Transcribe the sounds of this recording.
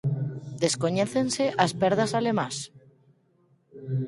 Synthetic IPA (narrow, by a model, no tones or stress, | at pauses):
d̪eskoɲeθenseʔaspeɾðasalemãs